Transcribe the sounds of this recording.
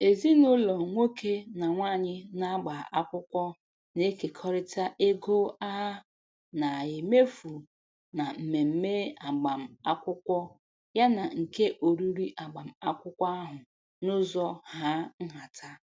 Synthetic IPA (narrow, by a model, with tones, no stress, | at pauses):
e˨zi˦nʊ˦lɔ˨ŋʷo˦ke˦na˨ŋʷa˦˨ɲɪ˦na˦ɡ͡ba˨ʔa˦kʷʊ˦kʷɔ˦ | ne˦ke˨kʰɔ˦ɾɪ˦ta˦ʔe˦ɡo˦a˦ɦa˦ | na˨jɪ˨me˦fu˨ | na˨m̩˨me˨m̩˦me˦a˨ɡ͡ba˨m̩˨a˦kʷʊ˦kʷɔ˦ | ja˦na˨ŋ̩˨ke˦ʔo˨ɾu˦ɾi˦ʔa˨ɡ͡ba˨m̩˨a˦kʷʊ˦kʷa˦a˦ɦʊ˨ | nʊ˦zɔ˦ha˦ŋ̩˦ɦa˨tʰa˦